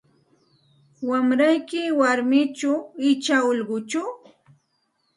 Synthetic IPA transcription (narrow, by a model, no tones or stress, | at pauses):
wamɾajkɪwaɾmɪt͡ʃaɪt͡ʃaoʎɢʊt͡ʃʊ